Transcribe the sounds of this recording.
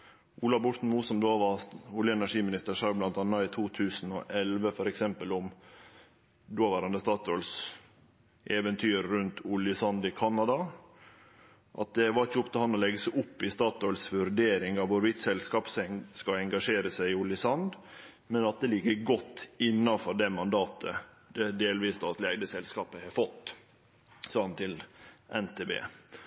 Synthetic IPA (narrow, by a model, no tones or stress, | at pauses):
ʔuːlɑʋbʊʈ̪n̩muːsɔmd̪oːʋɑʊljəɛnæʂiːmɪnɪst̪əɾʂɑɾblɑnt̪ɑnːɑiːt̪ʰuːt̪ʰʉːsn̩ɔʔɛlʋəfɔɾɛksɛmpəlʊm | d̪oːʋæːɾɑnd̪əst̪ɑːt̪ɔls | ʔɛːʋɛnt̪ʰyːɾːʉnt̪ʰʊljəsɑnd̪ɪkʰɑnɑd̪ɑ | ʔɑ̰t̪̚d̪ɛʋɑɾɪçəʊpt̪ɪlhɑnːɔlɛɡəsɪʔʊpːɪst̪ɑːt̪ɔʏlsʋʉɾɖ̪eːɾɪŋɑʋʋʊɾʋɪt̪sɛlskɑːpsɛŋskɑɛŋɡɑʂeːɾəsæɪɪʊljəsɑnd̪ | mɛnɑt̪̚d̪ɛlɪɡːəɡɔt̪ːɪnːɑfɔɖɛmɑnd̪ɑːt̪ʰə | d̪ɛd̪eːlʋiːst̪ʰɑt̪leːɡd̪əsɛlskɑːpəhɛfɔt̪ː | sɑːɑnt̪ʰɪlʔɛnt̪ʰeːbḛː